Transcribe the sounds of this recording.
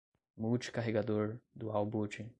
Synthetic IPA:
mut͡ʃkaɦeɡad̪oɾd̪uawboːt͡ʃi

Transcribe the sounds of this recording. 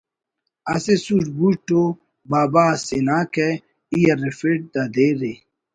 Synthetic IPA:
ɐsesuʈbuʈːo | baːbaːsenaːkɛ | ijɐɾefeʈ̚d̪ad̪eɾe

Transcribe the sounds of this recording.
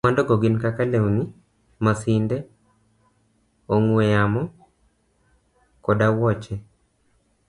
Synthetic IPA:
mandɔɡoɡɪnkakalewnɪ | masindɛ | oŋwejamɔ | kɔdawɔt͡ʃɛ

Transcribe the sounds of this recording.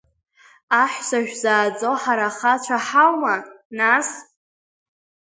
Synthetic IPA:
aħʷᶣsaʒᶣzaːd͡zʼoħaɾaχat͡ʃʷʰaħawma | nas

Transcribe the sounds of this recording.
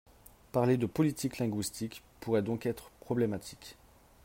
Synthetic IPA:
paʁled̪əpɔlit̪iklɛ̃ɡɥist̪ik | puʁɛd̪ɔ̃kɛt̪χəpχɔblemat̪ʰi̥k

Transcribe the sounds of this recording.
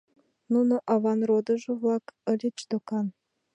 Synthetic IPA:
nunoʔɑβɑnrod̪ɤ̆ʒɤ̆vlˠɑkə̆lʲet͡ɕd̪okɑn

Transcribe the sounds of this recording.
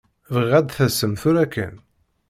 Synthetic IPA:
vəʁæd̪θæsəmθuɾækːə̰n

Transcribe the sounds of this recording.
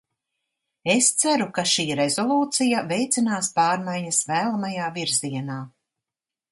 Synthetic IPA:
est̪sæɾukaʃiːɾezɔlˠuːt̪sijavejt̪sinaːspaːɾmajɲɐsvæːlˠamajaːviɾziɛnaː

